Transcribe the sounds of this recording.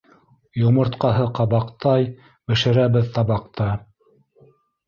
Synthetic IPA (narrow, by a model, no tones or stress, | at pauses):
jŏmɤ̆ɾt̪qɑɦɤqɑβɑqt̪ɑj | bɘ̆ʃɘ̆ɾæβɘðt̪ɑβɑqt̪ɑ